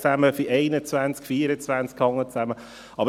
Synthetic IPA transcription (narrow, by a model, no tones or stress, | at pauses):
t͡sæməfiʔɛɪnət͡svænskfiːɾət͡svænskhɑŋːət͡sæmə | ɑbə